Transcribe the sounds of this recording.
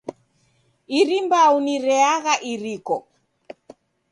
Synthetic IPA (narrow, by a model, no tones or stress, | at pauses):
iɾimbauniɾɛaɣaʔiɾikɔ